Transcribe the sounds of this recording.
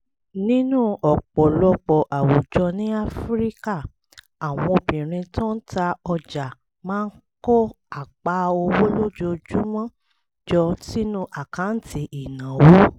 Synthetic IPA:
nĩ˦nũ˦ɔ˨k͡pɔ˨lɔ˧k͡pɔ˨ʔa˨wo˨d͡ʒɔ˧nĩ˦a˦fɾi˦ka˦˨ | a˨w̃ɔ̃˧o˧bĩ˨ɾ̃ĩ˧tɔ̃˦n̩˦ta˧ɔ˧d͡ʒa˨ | mãː˦n̩˦kɔ˦ | a˨k͡pa˨˦o˧wo˦lo˦d͡ʒo˧d͡ʒu˦mɔ̃˦ | d͡ʒɔ˧ti˦nũ˦ʔa˨kã˨˦n̩˦ti˧ʔi˨nã˨wo˦

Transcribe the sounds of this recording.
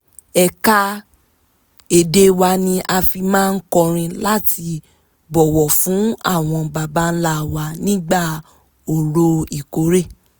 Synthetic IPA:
ɛ˧ka˦ | e˨de˧wa˧nĩ˧ʔa˧fi˧mãː˦˧n̩˦kɔ˧ɾ̃ĩ˧la˦ti˧ | bɔ˨wɔ˨fũ˨˦a˦˨w̃ɔ̃˧ba˧ba˦n̩˦la˦˨wa˧nĩ˦ɡ͡ba˦˨ | o˨ɾo˧˦i˨ko˨˦ɾe˦˨

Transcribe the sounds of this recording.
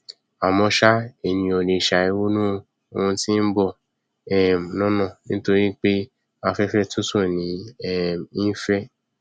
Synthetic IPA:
a˨mɔ̃˧ʃa˦e˨nĩ˧o˧ne˧˨ʃa˨i˧wo˦nũ˦˧ | o˧ũ˧tĩ˦n̩˦bɔ˦˨ | ɛ˨m˨nɔ̃˦nɔ̃˦˨nĩ˦to˦ɾi˦k͡pe˦ | a˧fɛ˦fɛ˦tu˦so˦˨nĩ˨˦ɛ˦˨m˨i˦fɛ˦

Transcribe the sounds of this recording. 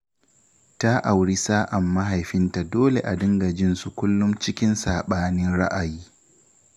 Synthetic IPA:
ta˦ʔa˨wɽi˦saː˦ʔa˨mːa˦ɦa˨jɸɪ˦nta˨doː˦lḛ˨ʔa˨dɪ˦ŋɡɐ˨d͡ʒɪ˦nsu˨kʷʊ˦lːʊ˦mt͡ʃɪ˦kʲɪ˦nsaː˨ɓaː˦nɪ˦nɽa˦ʔa˨jiː˦

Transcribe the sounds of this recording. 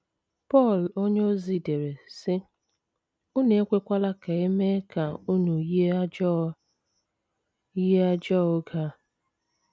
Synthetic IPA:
pɔ˦˨lo˦ɲ˦o˦zi˨de˨ɾe˨sɪ˦ | u˦ne˨˦kʷe˦kʷa˦la˦ka˨e˦me˦ka˨u˦nu˨je˦ɔ˦ | i˦e˦a˦d͡ʒɔ˦˨ʊ˦ɡa˦

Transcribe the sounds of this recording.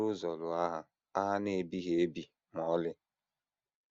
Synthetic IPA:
ʊ˦zɔ˨lʊ˨a˦ɦa˦ | a˦ɦa˦ne˦˨bi˦ɦe˨e˦bi˨ | mɔ˨˦lɪ˦

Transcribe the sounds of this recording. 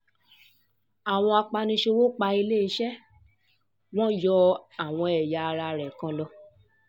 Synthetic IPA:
a˨w̃ɔ̃˧a˧k͡pa˧nĩ˧ʃe˧wo˦k͡pa˧i˧le˦i˧˦ʃɛ˦ | w̃ɔ̃˦jɔ˧a˨w̃ɔ̃˧ɛ˨ja˨˧ɾa˧ɾɛ˨kã˨˧lɔ˧

